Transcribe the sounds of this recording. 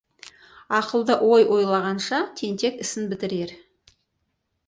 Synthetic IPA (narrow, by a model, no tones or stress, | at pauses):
ɑqəlˠd̪əʔwo̞jwo̞jlˠɑʁɑnʃɑt̪ʰe̞nt̪e̞kɪsɪnbɪt̪ɪɾe̞ɾ